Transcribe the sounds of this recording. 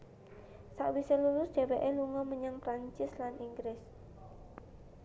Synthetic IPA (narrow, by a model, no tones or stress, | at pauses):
saʔwiselulʊsd̥eweʔɛluŋɔməɲaŋpɾant͡ʃɪslanʔiŋɡɾɪs